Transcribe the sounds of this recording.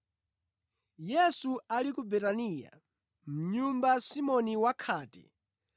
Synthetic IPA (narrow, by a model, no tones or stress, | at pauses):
jɛsualikubɛtaniːja̰ | m̩ɲumbasimɔniwakʰaːtɛ̰